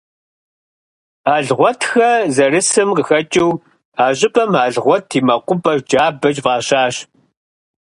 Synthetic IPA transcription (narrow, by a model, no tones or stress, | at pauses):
aːɮʁʷɔtʰxɐzɐrɨsɨmqəxɐt͡ʃʼɪw | aːʑʼɪpʼɐmaːɮʁʷɔtʰiːmɐqʷʊpʼɐd͡ʒaːbɐt͡ʃvʁɑːɕaːɕ